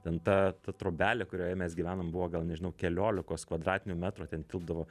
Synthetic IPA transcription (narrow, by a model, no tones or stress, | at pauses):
t̪ʲɛnt̪ɐt̪ɐt̪ɾoːbʲæːlʲɛkʊɾʲoːjɛmʲɛsɡʲiʋʲæːnombʊʋoːɡɐlˠnʲɛʒʲɪnɐʊkʲɛlʲoːlʲɪkoːskʋɐd̪ɾɑːt̪ʲɪnʲʊmʲæːt̪ɾuːt̪ʲɛnt̪ʲɪlˠbd̪ɐʋoː